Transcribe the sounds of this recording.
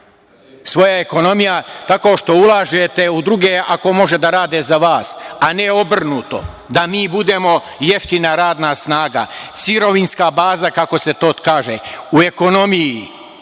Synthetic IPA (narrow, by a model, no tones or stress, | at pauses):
sʋo̞jaeko̞no̞mijat̪ako̞ʃt̪o̞ulˠaːʒet̪e̞ud̪ɾuɡeako̞mo̞ʒed̪aɾaːd̪ezaʋaːsaneo̞br̩nuːt̪o̞̰ | d̪amiːbud̪emo̞ | je̞ft̪inaɾaːd̪nasnaːɡa̰siɾo̞ʋinskabaːzakako̞se̞t̪o̞ːkaːʒeue̞ko̞no̞miji